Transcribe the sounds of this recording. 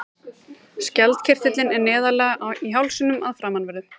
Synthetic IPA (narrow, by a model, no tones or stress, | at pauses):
scɛlt̪cʰɪr̥t̪ɪt̪lɪnɛɾnɛːðalɛːɣaʔiɦawlsɪnʏmaðfɾaːmanvɛɾðʏ